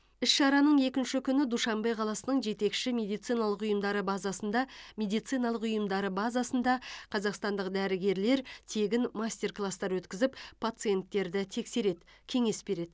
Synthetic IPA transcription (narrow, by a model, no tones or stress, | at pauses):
ɪsʃɑɾɑnəɴe̞kʲɪnʃɪkʲʰʏnɪd̪uʃɑmbɑjqʰɑlˠɑsənəɴʒe̞t̪e̞kʃɪmʲe̞d̪ijt̪sɨjnɑlˠəqʊjəmd̪ɑɾəbɑzɑsənd̪ɑmʲe̞d̪ijt̪sɨjnɑlˠəqʊjəmd̪ɑɾəbɑzɑsənd̪ɑqʰɑzɑqst̪ɑnd̪əqd̪æɾɪɡʲe̞ɾle̞ɾt̪ʰe̞ɡʲɪnmasʲt̪ʲe̞rklˠast̪ɑɾwɵt̪kʲɪzɪppʰːat̪sɨje̞nt̪ːe̞ɾd̪ɪt̪ʰe̞kse̞ɾed̪kʲʰe̞ŋe̞sbe̞ɾe̞d̪